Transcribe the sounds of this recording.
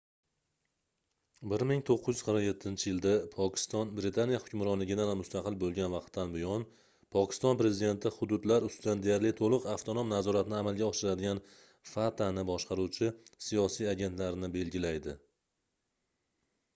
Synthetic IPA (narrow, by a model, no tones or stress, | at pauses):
bɪɾmɪŋt̪ʰoqʰːɨzjy̥z̥qɪɾmaje̞t̪ʰːɪnt͡ʃʰɪjɪld̪apʰɒkʲʰɪ̥st̪ɒnbɾɪt̪ʰanijahʊ̥kʲʊmɾɒnlɪɡʲɪd̪anmʊst̪ɑqʰɨlbolˠɡʲanvɑqt̪ʰːanbɪjɒn | pʰɒkʲʰɪ̥st̪ɒnpɾe̞zɪd̪e̞nt̪ʰɪhʊd̪ʊd̪laɾʊst̪ʊd̪and̪ejaɾlɪt̪ʰolˠɨqaft̪ʰonomnazɒɾat̪ʰɪnɪamalɡʲaɒʃɪɾad̪ɪɡʲan | fat̪ʰanɪbɒʃqʰɑɾuwt͡ʃʰɪsijɒsijaɡʲe̞nt̪laɾnɪbe̞lɡʲɪlajd̪ɪ